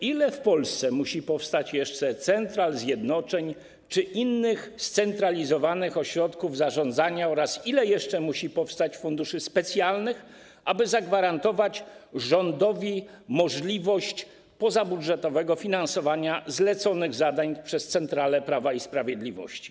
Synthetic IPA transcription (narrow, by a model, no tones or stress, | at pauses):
ilɛfpɔlst̪sɛmuɕipɔfst̪at͡ɕjɛʂt͡ʂɛt̪sɛnt̪ɾalzʲjɛd̪nɔt͡ʂɛɲ | t͡ʂɘʔinːɘxst̪sɛnt̪ɾalʲizɔvanɘxɔɕɾɔt̪kuvzaʐɔ̃nd̪zaɲaɔɾasilɛjɛʂt͡ʂɛmuɕipɔfst̪at͡ɕfund̪uʂɘspɛt̪sʲjalnɘx | ʔabɘzaɡvaɾant̪ɔvat͡ɕʐɔnd̪ɔvʲi | mɔʐlʲivɔɕt͡ɕ | pɔzabudʐɛt̪ɔvɛɡɔfʲinansɔvaɲazlɛt̪sɔnɘɣzad̪aɲpʂɛst̪sɛnt̪ɾalɛpɾavaispɾavʲjɛd̪lʲivɔ̰ɕt͡ɕi̥